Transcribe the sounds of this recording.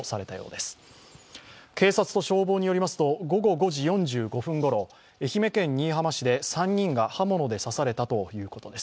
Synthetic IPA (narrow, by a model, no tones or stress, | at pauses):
saɾe̞t̪ajo̞̰ːd̪e̞sɨ̥ | ke̞ːsat͡sɨ̥t̪o̞ɕo̞ːboːɲ̟ijo̞ɾimasɨ̥t̪o̞ɡo̞ɡo̞ɡo̞ʑijõ̞ɲ̟d͡ʑɨːɡo̞ɸɯ̟̃ŋɡo̞ɾo̞ | e̞çime̞kẽ̞ɲ̟ːiːɦamaɕid̪e̞sãɲ̟ːĩŋɡahamo̞no̞d̪e̞sasaɾe̞t̪at̪o̞jɯ̟ːko̞t̪o̞d̪e̞s